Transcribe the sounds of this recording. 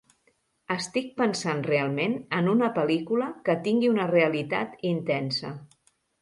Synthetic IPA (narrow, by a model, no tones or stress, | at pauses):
əst̪ik̚pənsanrealˠmenənunəpəlikuləkət̪iŋɡiunəreəlit̪a̰t̪int̪ɛnsə